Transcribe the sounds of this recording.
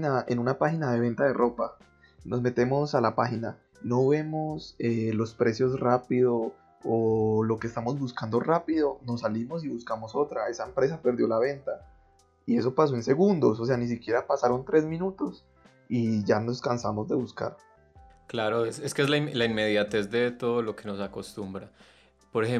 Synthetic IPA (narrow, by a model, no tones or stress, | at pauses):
naʔe̞nunapaxinaðe̞β̞e̞nt̪aðe̞rʔo̞pa | nozme̞t̪e̞mo̞salapaxina | no̞βe̞mo̞selo̞spɾe̞sjo̞srapiðo | olo̞keest̪amo̞zbuskand̪o̞rapiðo̞no̞salimo̞siβuskamo̞so̞t̪ɾae̞saempɾe̞sape̞ɾd̪jo̞laβe̞nt̪a | ie̞so̞pas̬oense̞ɣund̪o̞s̬os̬e̞anis̬ikje̞ɾapasaɾo̞nt̪ɾe̞zmĩnut̪o̞s | iʝano̞skansamo̞zd̪e̞βuska̰ɾ | klaɾoeseskeezlailainme̞ðjat̪e̞zd̪et̪oðlokeno̞sako̞st̪umbɾa | poɾexe